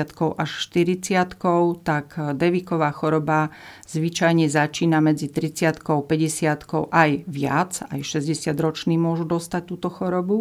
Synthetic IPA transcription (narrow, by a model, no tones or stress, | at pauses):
at̪kɔʊʔaʃʃt̪iɾit͡sɪat̪kɔʊt̪akd̪ɛʋiːkɔʋaːxɔɾɔba | z̥ʋit͡ʃajɲɛzat͡ʃiːnamɛd͡zit̪ɾit͡sɪat̪kɔʊpɛɟɛsɪat̪kɔʊʔajʋɪa̰d͡za̰jʃɛzɟɛsɪad̪ɾɔt͡ʃniːmʊɔʒud̪ɔst̪ac̚t̪uːt̪ɔxɔɾɔbu